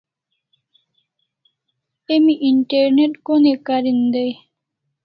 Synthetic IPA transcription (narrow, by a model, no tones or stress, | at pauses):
emiʔiɳʈeɾneʈkonekaɾind̪ej